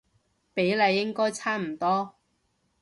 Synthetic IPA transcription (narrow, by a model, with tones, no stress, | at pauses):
pe˨˥jlɐ˨˧jːɪ˥ŋkɔː˥jt͡sʰaː˥m̩˨˩t̪ɔː˥